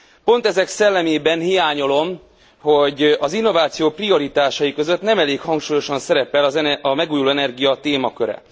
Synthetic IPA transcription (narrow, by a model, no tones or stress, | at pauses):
po̞n̪t̪ɛzɛksɛlːɛmeːbɛnhijaːɲo̞lo̞m | ho̞ɟɒzinːo̞vaːt̪sijoːprio̞ɾit̪aːʃɒjikø̞zø̞t̪nɛmɛleːkhɒŋkʃuːjo̞ʃɒnsɛɾɛpɛlɒzɛɒmɛɡuːjuloːɛnɛrɡijɒt̪eːmɒkøɾɛ̰